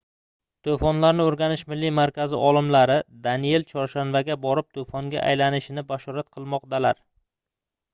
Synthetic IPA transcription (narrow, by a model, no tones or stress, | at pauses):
t̪ʰofɒnlaɾnɪoɾɡʲanɪʃmɪlːimaɾkʲʰazɪʔɒlˠɪmlaɾɪd̪anije̞lt͡ʃʰɒɾʃanvaɡʲabɒɾɪp̚t̪ʰofɒŋɡʲa̰ʔa̰jlanɪʃɪnɪbaʃɒɾat̪̚qʰɨlˠmɒq̚d̪alaɾ